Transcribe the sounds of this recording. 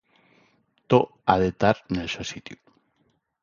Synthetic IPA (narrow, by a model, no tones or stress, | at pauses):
t̪o | aðet̪aɾnelsosit̪ju